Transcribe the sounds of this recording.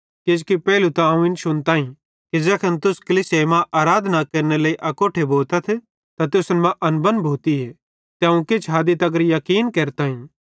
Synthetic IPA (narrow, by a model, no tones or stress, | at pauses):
ked͡ʒkipɛːlut̪ãũɪnʃʊnt̪ãːɦĩ | kid͡ʒɛːkʰɐnt̪ʊskɐlisemãʔaːɾaːd̪ʱnakɐɾnelɐːiʔɐkoːʈʰeboːlt̪ɐt̪ʰ | t̪at̪ʊsənmãʔɐnbɐnbʱuːt̪iɦe | t̪eãũket͡ʃʰɦaːd̪it̪ɐɡəɾjɐkiːnkeːɾt̪aːɦĩ